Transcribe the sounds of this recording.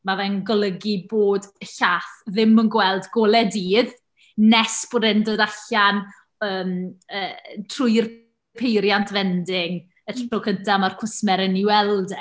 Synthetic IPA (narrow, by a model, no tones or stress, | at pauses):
mavɛŋɡɔlˠəɡiboːdəɬaːθðɪmənɡwɛlˠdɡolˠɛdiːð | nɛsb̥oːdɪndoːdaɬan | əːməːtʰrʊjr | pʰejɾjantʰvɛndɪŋ | ətʰɔkʰəntʰamarkʰʊsmɛɾəniwɛlˠdɛ